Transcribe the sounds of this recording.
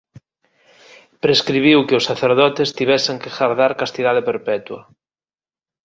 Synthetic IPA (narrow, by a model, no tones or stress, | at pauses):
pɾeskɾiβ̞iwkɪʊsːaθeɾðɔt̪est̪iβɛseŋkeɣaɾðaɾkast̪iðaðepeɾpɛt̪wɐ